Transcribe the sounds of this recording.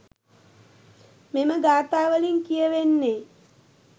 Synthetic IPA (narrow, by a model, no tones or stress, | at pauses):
meməɡaːt̪aːʋəliŋkijəʋenːe